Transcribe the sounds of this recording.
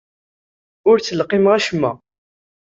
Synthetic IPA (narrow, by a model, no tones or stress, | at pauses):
ʊɾt͡sːəlqɪmʁæʃəmːæ̰